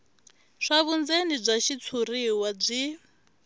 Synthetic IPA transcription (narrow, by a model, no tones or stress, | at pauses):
ʂaβund͡zenib͡ʐʷaʃit͡sʰuɾiwab͡ʐi